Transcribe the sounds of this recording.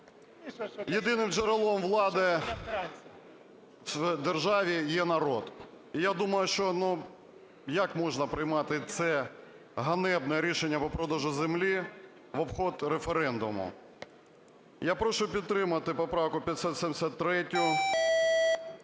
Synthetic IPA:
jed̪ɪnɪmd͡ʒeɾelˠɔmʋlˠɑd̪ɪ | d̪erʒɑʋʲijɛnɐɾɔd̪ | ijad̪umɐjʊʃt͡ʃɔnu | jɐkmɔʒnɐpɾɪjmɑt̪ɪt̪sɛ | ɦɐnɛbnɛɾʲiʃenʲːɐpɔpɾɔd̪ɔʒʊzemlʲi | ʋɔbxɔt̪ɾefeɾɛnd̪ʊmʊ̰ | japɾɔʃʊpʲid̪̚t̪ːɾɪmɐt̪ɪpɔpɾɑwkʊpʲjɐt̪sʲɔt̪sʲɛmʲsʲɐt̪t̪ːɾɛtʲʊ

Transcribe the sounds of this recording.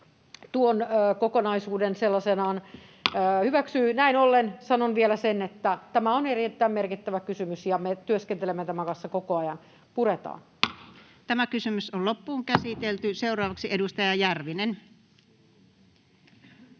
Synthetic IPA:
t̪uonːkokonɑisuːdenselːɑsenɑːnː | hyʋæksyːnæinolːensɑnonʋielæsenet̪ːæt̪æmæonerit̪ːæimmerkit̪ːæʋækysymysjɑmet̪yøskent̪elemːet̪æmækɑnsːɑkokoɑjɑn | puret̪ɑ̰ːn | t̪æmækysymysollopːuːŋkæsit̪elt̪yseuɾˑɑːʋɑksiedust̪ɑjɑjærʋinen

